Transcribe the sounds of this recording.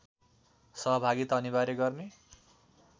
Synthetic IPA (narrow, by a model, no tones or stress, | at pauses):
sʌɦʌbʱaɡit̪ʌnibaɾeɡʌrne